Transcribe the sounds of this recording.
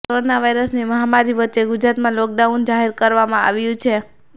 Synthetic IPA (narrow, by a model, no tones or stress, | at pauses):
koɾonaʋajɾəsneməɦamaɾiʋətːʃeɡʊd͡ʒɾat̪mãlɔk̚ɖaund͡ʒaɦeɾkəɾʋamãa̰ʋjũt͡ʃʰe